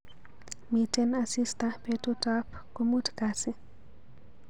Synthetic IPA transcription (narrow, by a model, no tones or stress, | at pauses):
mitɛnasistapɛtutap | komutkasɛ